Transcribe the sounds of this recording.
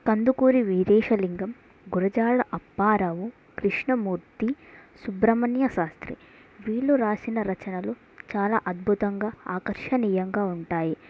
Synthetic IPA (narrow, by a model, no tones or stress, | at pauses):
kɐnd̪ukuːɾiʋid̪ɛːʃɐliŋɡɐm | ɡuɾɐd͡ʒaːɭɐʔɐpːaːɾɐʋu | kɾiʂɳɐmuːɾt̪isubɾɐmɐnjɐʃaːst̪ɾḭ | ʋiːɭːuɾaːsinɐɾɐt͡ʃɐnɐluː | t͡ʃaːla̰ːʔɐd̪̚bʱut̪ɐŋɡaːaːkɐɾʂɐniːjɐŋɡaːuɳʈaːji